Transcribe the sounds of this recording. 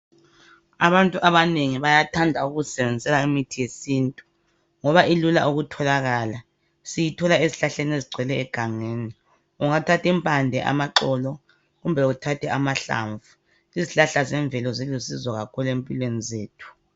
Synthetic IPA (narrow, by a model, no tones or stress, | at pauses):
a̰βantʼuʔaβaneŋiβajatʰandʱauɣusɛβɛnd͡zid͡zʱɛlaimitʰijesiːntʼu̥ | ŋɔβailula̰ʔuɣutʰɔlaɣala | sijitʰɔlaeziɬaɬeneziɡ͡ǀʱwɛlɛːɡ̥ʱaŋeːni | uŋatʰatʰimpʰʼandʱɛʔa̰maǁɔlɔ | ɣumbʱɛutʰatʰɛamaɬa̰ɱvu | liziɬaɬazɛɱb̪vʱɛlɔzelusizɔɣakʰuluempʼilwenizeːtʰu̥